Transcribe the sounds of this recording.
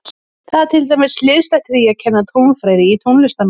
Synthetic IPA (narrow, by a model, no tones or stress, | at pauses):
θaðt̪ʰɪlt̪ajmɪslɪðst̪ɛht̪ɪɾiacʰɛnːat̪ʰownfɾaːjðɪit̪ʰownlɛst̪am